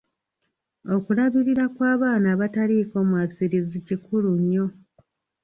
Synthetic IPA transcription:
o̞kulaβiɾiɾakwaːβaːnaːβataliːko̞ːmwaːsiɾizicikuluɲːo̞

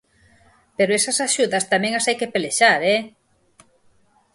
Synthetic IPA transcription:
peɾoɛsɐsaʃuðɐst̪amɛ̃ŋasajkepeleʃaɾɛ

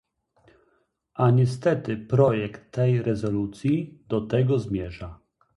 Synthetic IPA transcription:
ʔaɲɛs̬t̪ɛt̪ɘpɾɔjɛkt̪ːɛjɾɛzɔlut̪sʲjid̪̥ɔt̪ɛɡɔzmʲjɛʐa

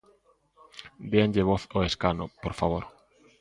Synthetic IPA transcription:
d̪eaɲʎeβ̞oθoeskanʊpoɾfaβ̞oɾ

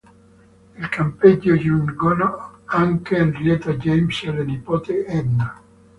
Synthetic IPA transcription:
ilkʰampeɟːojunɡonoaŋkeːnrjɛt̪ad͡ʒɛjmsalːenipoːt̪eɛd̪na

